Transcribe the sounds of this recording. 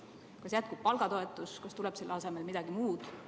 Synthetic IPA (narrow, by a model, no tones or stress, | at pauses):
kɑsjæt̪̚kub̥̚pɑlɡ̥ɑt̪o̞e̞t̪ːˑuskɑst̪ulɛb̥selːɑse̞me̞lmid̪̥ɑɡ̥imuːd̪̥